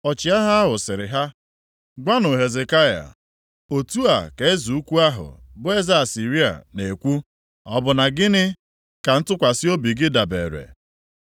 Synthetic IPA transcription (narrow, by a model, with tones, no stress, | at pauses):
ɔ˨t͡ʃɪ˨a˦ɦa˦a˦ɦʊ˨sɪ˨ɾɪ˨ɦa˦ | ɡʷa˦nʊ˨ɦe˨ze˨ka˦ja̰˨ | o˨tu˦a̰˨ke˨e˦zu˨u˦kʷu˦a˦ɦʊ̰˨bʊ˦e˦za˦a˨si˨ɾi˦a̰˨ne˨kʷu˦ | ɔ̰˨bʊ˨na˨ɡɪ˦nɪ˦ | ka˨n̩˦tʊ˦kʷa˨sɪ˦o˦bi˨ɡɪ˦da˨bḛ˨ɾḛ˨